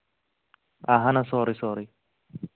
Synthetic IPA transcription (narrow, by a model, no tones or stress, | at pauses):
aɦɐnɐsoːɾisoːɾi